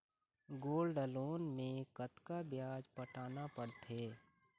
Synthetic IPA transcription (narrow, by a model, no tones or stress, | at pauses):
ɡoːlɖəloːnmẽkət̪kabjaːd͡ʒpəʈaːnapəɾt̪ʰeː